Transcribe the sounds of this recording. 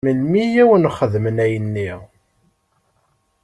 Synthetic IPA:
əlmijæwənχəðmənæjənːi

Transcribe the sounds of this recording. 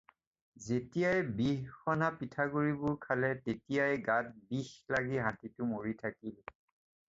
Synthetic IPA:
zetijajbixːɔnapitʰaɡuɹibʊɹkʰalɛtetijajɡat̚bixlaɡiɦatitʊmoɹitʰakil

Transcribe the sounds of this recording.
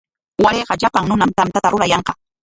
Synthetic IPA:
waɾeːqɑʎapaŋnʊnamt̪amt̪at̪aɾʊɾajɑɴqɑ̥

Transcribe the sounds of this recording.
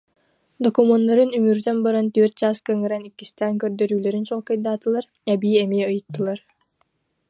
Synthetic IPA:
d̪ɔkumɔnːɔɾɯnymyɾt̪ɛnbaɾant̪øœɾt̪̚t͡ɕaːskœŋɛɾɛnikːist̪æːŋkœɾd̪œɾyːlɛɾint͡ɕɔlˠkɯjd̪aːt̪ɯlˠaɾ | ɛbiːɛmiɛɯjɯt̪ːɯlˠaɾ

